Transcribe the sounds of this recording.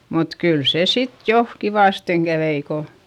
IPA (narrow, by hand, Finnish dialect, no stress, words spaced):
mut kyl se sit jo kiʋɑˑsteŋ kæʋei ko